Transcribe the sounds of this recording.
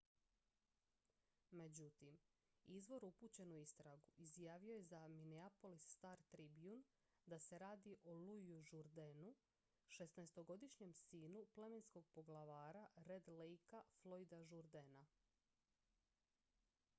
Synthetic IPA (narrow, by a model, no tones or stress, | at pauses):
me̞d͡ʑut̪im | izʋo̞ɾupuːt͡ɕe̞nuist̪ɾaɡuʔizjaːʋio̞je̞zamineapo̞lisːt̪aːɾt̪ɾibiun | d̪ase̞ɾaːd̪iʔolujuʒuɾd̪enu | ʃesneest̪o̞ɡo̞d̪iʃɲe̞msiːnuple̞mensko̞ɡ̚po̞ɡlˠaʋaːɾaɾed̪lejkaflˠo̞jd̪aʒuɾd̪ena